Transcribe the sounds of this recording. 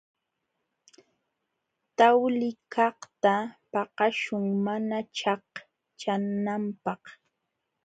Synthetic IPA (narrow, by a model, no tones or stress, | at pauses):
t̪awlɪkɑχt̪apɑqɑʃʊŋmanat͡ʃɑq | t͡ʃanampɑq